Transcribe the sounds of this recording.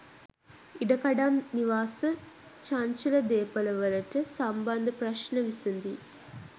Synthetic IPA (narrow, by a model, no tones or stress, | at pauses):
iɖɐkɐɖamniʋaːsɨ | t͡ʃant͡ʃulɐd̪eːpɐlɐʋɐlɐʈɐsɐmbɐnd̪ɐpɾɐʃnɐʋisund̪i